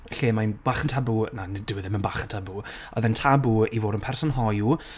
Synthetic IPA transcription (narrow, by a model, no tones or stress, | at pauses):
ɬeːmajnb̥aːχəntʰabunanɪdɪwɪðɪmənbaːχəntʰabuɔðɛntʰabuivoːdənpʰɛrsɔnɦɔju